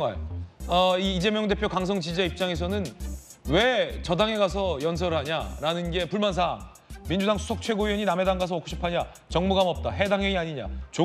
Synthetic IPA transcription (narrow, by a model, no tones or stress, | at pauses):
aʌiːd͡ʑe̞mjʌŋde̞pʰjokaŋs̬ʰʌŋt͡ɕid͡ʑaip̚t͡ɕ͈aŋe̞s̬ʰʌnɯnwe̞t͡ɕʌdaŋe̞ɡasʰʌjʌns̬ʰʌɾɯɭɦaɲaɾanɯnɡe̞puɭmans̬ʰaŋ | mind͡ʑudaŋsʰu̥sʰʌk̚t͡ɕʰwe̞ɡoiʌɲiname̞daŋɡas̬ʰʌːkʰuɕʰi̥pʰaɲa | t͡ɕʌŋmuɡamʌp̚t͈aɦe̞daŋeŋiaɲiɲa̰t͡ɕo